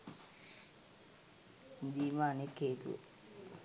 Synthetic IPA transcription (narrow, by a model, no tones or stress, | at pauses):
d̪iːmaːnekːeːt̪ṵə̰